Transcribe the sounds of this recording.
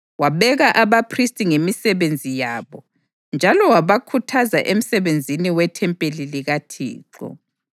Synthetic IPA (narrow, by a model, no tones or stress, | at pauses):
waβɛɣaʔaβapʰristʼiŋemisɛβend͡zʱijaːβɔ | nd͡ʒʱalɔwaβakʰutʰazaʔem̩sɛβend͡zʱiniwɛtʰɛmpʼeliliɣatʰḭːǃɔ̰